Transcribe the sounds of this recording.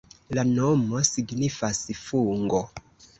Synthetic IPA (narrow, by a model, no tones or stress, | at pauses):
lanomo̞siɡnifasfuŋɡo